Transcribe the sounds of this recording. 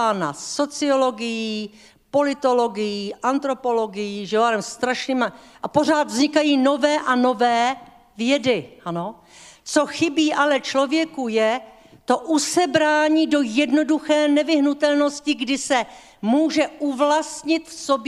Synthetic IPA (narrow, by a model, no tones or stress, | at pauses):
ana̰so̞t͡sɪo̞lo̞ɡɪjiː | po̞lɪt̪o̞loɡɪjiːʔant̪ɾo̞po̞lo̞ɡɪjiːʒɛaɾɛmst̪ɾaʃniːmaʔapo̞r̝aːt̪vzɲɪkajiːno̞vɛːʔano̞vɛː | vjɛdɪʔano̞ | t͡so̞xɪbiːʔalɛt͡ʃlo̞vjɛkujɛ | t̪o̞ʔusɛbɾaːɲiːdo̞jɛdno̞duxɛːnɛvɪɦnut̪ɛlno̞scɪɡdɪsɛ | muːʒɛʔuvlast̪ɲɪt̪fsob